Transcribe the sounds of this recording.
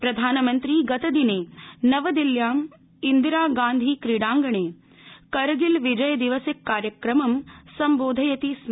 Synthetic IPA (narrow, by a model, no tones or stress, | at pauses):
pɾɐd̪ʱaːnɐmɐnt̪ɾiːɡɐt̪ɐd̪ineːnɐʋɐd̪iljaːm | ind̪iɾaːɡaːnd̪ʱiːkɾiɽaːŋɡɐɳeː | kɐɾɡilʋid͡ʒɐjɐd̪iʋɐsikːaːɾjɐkɾɐmɐmsɐmboːd̪ʱɐjɐt̪ism